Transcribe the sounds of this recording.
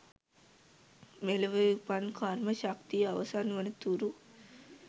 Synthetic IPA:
melɐʋəjupankʰaɾməʃakt̪ijəaʋɐsanuʋənət̪uɾu

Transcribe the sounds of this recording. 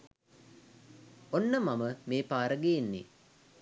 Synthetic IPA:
onːəmaməmeːpaːɾəɡejenːḭ

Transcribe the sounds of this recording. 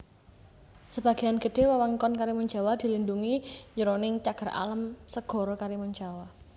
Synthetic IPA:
səb̥a̤ɡ̥ianɡ̥ə̤ɖ̥e̤wawaŋkɔnkaɾiməɲd͡ʒa̤wad̪̥i̤linduŋiɲəɾonɪŋt͡ʃaɡ̥ə̤ɾa̰ləmsəɡ̥ɔ̤ɾɔkaɾiməɲd͡ʒawa

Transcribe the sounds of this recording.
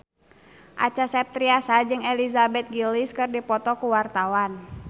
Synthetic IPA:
ʔa̰t͡ʃasɛp̚t̪ɾiasad͡ʒɨŋɛlizabɛt̪̚ɡiliskɨrdipɔt̪ɔkuwart̪awan

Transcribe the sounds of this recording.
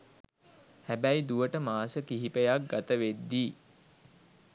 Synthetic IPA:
hæbæjd̪uʋəʈəmaːsəkiɦipejak̚ɡat̪əʋed̪ːiː

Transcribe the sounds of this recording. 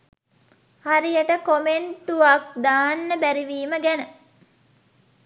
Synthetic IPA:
haɾijəʈəkomeɳʈuʋak̚d̪aːnːəbæɾiʋiːməɡænə

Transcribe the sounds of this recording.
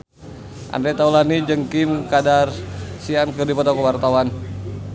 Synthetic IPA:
ʔa̰ndɾɛt̪aulanid͡ʒəŋkimkadarsiankədipɔt̪ɔkəwart̪awan

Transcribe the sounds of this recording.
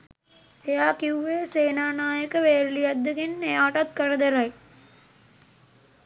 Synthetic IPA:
ejaːkiuʋeːseːnaːnaːjəkəʋeːɾlijad̪ːəɡenːejaːʈat̪̚kərəd̪eɾaj

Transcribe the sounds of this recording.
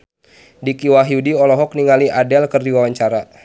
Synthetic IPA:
dikiwaɦiudiɔlɔɦɔk̚niŋaliʔadɛlkərdiwawaɲt͡ʃaɾa

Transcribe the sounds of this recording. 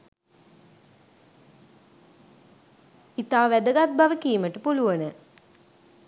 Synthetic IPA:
it̪aːʋæd̪əɡat̪̚baʋəkiːməʈəpuluʋənə

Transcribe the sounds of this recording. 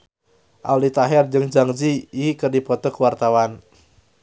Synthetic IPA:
ʔa̰wlit̪aɦɛrd͡ʒɨŋd͡ʒaŋd͡ʒiikɨrdipɔt̪ɔkuwart̪awan

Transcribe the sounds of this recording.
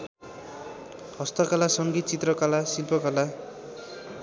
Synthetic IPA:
hʌst̪ʌkalasʌŋɡit̪̚t͡sit̪rʌkalasilpʰʌkala

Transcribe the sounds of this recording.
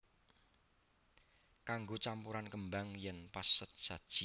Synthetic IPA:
kaŋɡot͡ʃampuɾankəmbaŋjɛnpasːət̪̚ʒ̥a̤d̥ʒ̥i

